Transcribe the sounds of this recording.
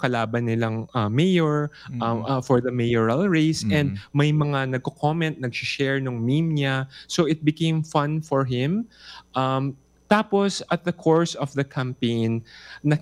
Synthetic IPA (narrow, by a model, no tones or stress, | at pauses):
kɐlaːbɐnːɪlɐŋɐmɛjoɹ | fɔɹðɐmɛjɔɹɐlɹeɪsɛ̃nd̪̚mɐjmɐŋanɐɡ̚kokʰomɛnt̪̚nɐɡsɪʃɛɹnʊŋmimɲasoʔɪt̪̚bɪkẽjmfɐ̃nfɔɹɦɪ̃mʔɐm | t̪aːposɐt̪̚d̪ɐkʰoɹsɔvðɐkʰampẽjnːɐ